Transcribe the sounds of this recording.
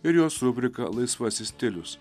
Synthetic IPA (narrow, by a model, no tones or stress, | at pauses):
ɪɾjoːsɾʊbʲɾʲɪkɐ̰lˠɐɪsʋɐsʲɪsʲt̪ʲɪlʲʊs